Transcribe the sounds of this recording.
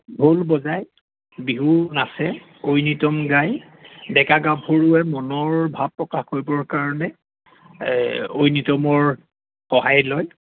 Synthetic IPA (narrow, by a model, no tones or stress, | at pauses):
bʱolbɔzaj | biɦunasɛ | ojnitɔmɡaj | dɛkaɡabʰʱoɹuɛmɔnɔɹbʱab̚pːɹɔkaxhojbɔɹkaɹɔnɛ | ojnitɔmɔɹ | xɔɦajlɔj